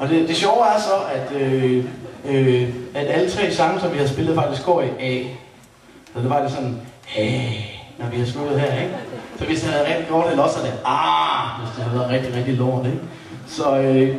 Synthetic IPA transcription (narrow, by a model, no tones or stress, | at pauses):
ʔɒ̽d̥e̝d̥e̝ɕɒʊæɐsɒ̽ʔæd̥ø | øæd̥ælət͡sʰʁɛ̰ːsɑ̈ŋn̩sɒ̽mʋihæðˠsb̥e̝lð̩ˠfɑ̈ɡ̥isɡ̥o̰ːiʔɛ | sɒd̥eʋɑ̈ɡ̥d̥esɒ̽nhænɒʋihɑslud̥ð̩ˠɦeɐ̰eɡ̥fɒʋe̝sd̥ihæð̩ˠʁɛ̥d̥iɡ̥jo̰ːd̥elɒsæd̥æɑʋesd̥ee̝ð̰ˠɐʁɛɡ̥̚d̥iʁɛɡ̥̚d̥ilo̰ːd̥eɡ̥ | sɒ̽ø